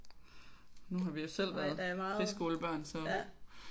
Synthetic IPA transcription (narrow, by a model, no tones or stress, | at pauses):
nuɦɑ̈ʋijo̝sel̰ʋæɐð̩ˠæmɑ̈ːʁisɡ̥o̝ːləb̥ɶɐ̰nsɒ